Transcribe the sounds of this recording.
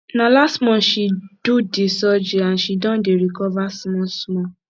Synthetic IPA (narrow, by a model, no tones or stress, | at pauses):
nãlastmɔ̃ʃid̥odesɔd͡ʒeãʃidɔ̃deɾikɔvasmɔ̃smɔ̃